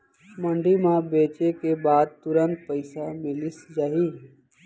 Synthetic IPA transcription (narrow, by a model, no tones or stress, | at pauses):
məɳɖimãbeːt͡ʃekebaːd̪̚t̪ʊɾənt̪̚pəɪsamɪlɪsd͡ʒaːɦiː